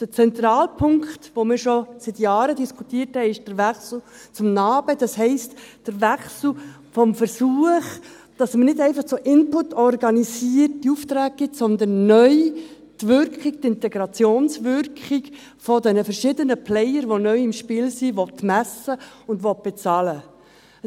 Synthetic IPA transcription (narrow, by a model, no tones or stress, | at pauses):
d̥ət͡sɛnt̪ɾɑːlpʰʊŋkχtʋomɪːɾʃɔsɪt̪jɑːɾədiskʰutiəɾthɛɪɪʃd̥əɾʋæχsl̩ | t͡sʊmnɑːb̥əd̥ɑshɛɪstd̥əɾʋæχsl̩ | fɔmfəɾsuəχ | d̥ɑsmənɪdɛɪfɑχt͡soʔɪnpʊtːɔrɡɑnisiərtdiuftɾæːk̚ɡ̥ɪtsɔnd̪ənːœʏ | tʋʏɾkχiktɪntɛɡɾɑt͡sjoːnsʋʏɾkχɪk | fɔd̪ɛnəfɛɾʃɪdənəpʰlɛjəɾʋonœʏɪmʃpɪːlsiʋɔtːmæsəʊnd̪ʋɔt̚b̥ɛt͡sɑːlə